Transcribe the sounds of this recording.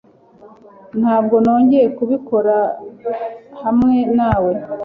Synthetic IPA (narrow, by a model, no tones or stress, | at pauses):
n̥haːb̚ɡo̞no̞ːɲɟe̞ɾe̞kuβiko̞ɾa | hamŋe̞naːwe̞